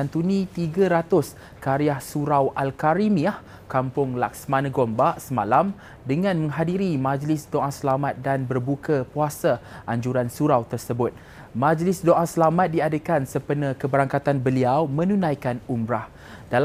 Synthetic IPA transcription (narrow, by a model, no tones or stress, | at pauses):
ant̪unĩt̪iɡaɾat̪ʊs | kaɾiahsuɾawʔalkaɾimiah | kampʊŋlak̚səmanə̃ɡombaʔsəmalam | dəŋãnmə̃ŋɦadiɾimad͡ʒlɪsdoʔãsəlamat̪̚danbərbukapuasaʔaɲd͡ʒuɾansuɾawt̪ərsəbʊt̪̚ | mãd͡ʒlɪsdoʔasəlamat̪̚diadəkansəpənə̃kəbəɾaŋkat̪anbəliawmə̃nũnãjkanumɾah | d̥al